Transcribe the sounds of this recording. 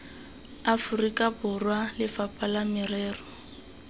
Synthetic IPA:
afʊrikʼabʊrwalɪfapʼalamɪrɛːrɔ

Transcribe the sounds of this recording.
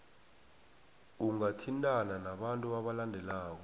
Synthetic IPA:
uŋatʰintʼananaɓantʼuaɓalandʱɛlaːk̬ɔ

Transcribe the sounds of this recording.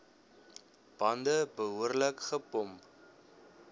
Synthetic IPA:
b̥ɐndəbəɦuərləkχəpɔmp

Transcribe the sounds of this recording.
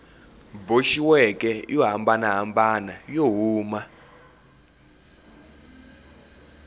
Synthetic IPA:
boʃiwɛkʼɛjɔɦambanaɦambanajoɦuːma

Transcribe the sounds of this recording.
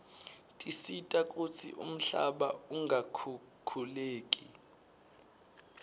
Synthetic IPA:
tʼisitʼakʼut͡sʰḭʔṵm̩ɬa̰ɓauŋɡʱakʰu | kʰuleːkʼi

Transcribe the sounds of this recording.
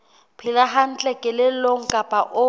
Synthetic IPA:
pʰɪlaɦan̩t͡ɬʼɛkʼɛlɪloŋ̩kʼapʼaʔʊ

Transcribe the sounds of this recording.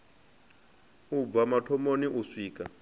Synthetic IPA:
ub̪vamatʰɔmoniʔusiːk̬ʼa

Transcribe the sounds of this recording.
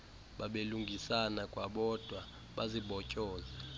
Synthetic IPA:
ɓaɓeluŋɡʱisanakʼwaɓɔd̥ʱwa | ɓaziɓɔcʼɔːzɛ

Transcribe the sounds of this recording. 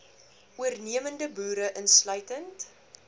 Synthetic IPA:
ʔuərniəməndəbuːɾəʔənslœɥtənt

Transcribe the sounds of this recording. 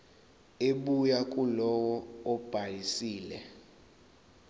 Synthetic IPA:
eɓujakʼulɔwɔɔb̥ʱajisiːlɛ

